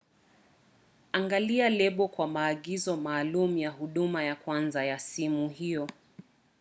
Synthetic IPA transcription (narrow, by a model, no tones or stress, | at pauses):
aŋɡalialɛɓɔkwamaːɠizɔmaːlumujaɦuɗumajakwanzajasimuɦijɔ